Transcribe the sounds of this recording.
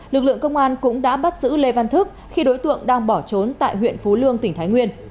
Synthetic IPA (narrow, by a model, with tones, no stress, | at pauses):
lɨ˨˩k̚lɨ̰˧˨əŋkə˧wŋ͡mʔaː˧nkʊ̰˧˥ŋ͡mɗa̰ː˧˥ɓa˦˥t̚zɨ̰˧˥le˧va˧nt̪ʰɨ˦˥k̚ | xi˧ɗo˨˦jt̪ɨ̰˧˨əŋɗaː˧ŋɓɔ˧˩t͡ɕo˨˦nt̪a̰ː˧˨jɦwḭ˧˨ənfu˨˦lɨ˧əŋt̪ï˨˩ŋ̟t̪ʰaː˨˦jŋwi˧ən